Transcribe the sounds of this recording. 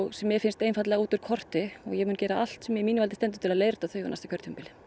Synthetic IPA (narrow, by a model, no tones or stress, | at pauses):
ɣsɛmːjɛfɪnst̪eːjnfat̪lɛɣauːt̪ʏɾ̥kʰɔr̥t̪ɪɔ̰ɣjɛɣmʏːncɛːɾaʔal̥t̪sɛmjɛimiːnɪvalt̪ɪst̪ɛnt̪ʏ̥t̪ʰɪlaðleːjɾt̪aθœɥjva̰ɾnast̪akʰœɾt̪ʰʏmpɪlɪ